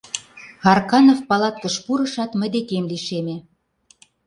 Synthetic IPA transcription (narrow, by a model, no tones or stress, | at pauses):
hɑrkɑnofpɑlɑt̪̚kə̆ʃpuɾə̆ʃɑt̪mə̆jd̪ekemliʃeme